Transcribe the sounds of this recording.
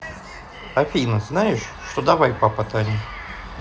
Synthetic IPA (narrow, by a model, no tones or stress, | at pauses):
ɐfʲijnəznajɪʂːt̪od̪ɐvajpapət̪anʲi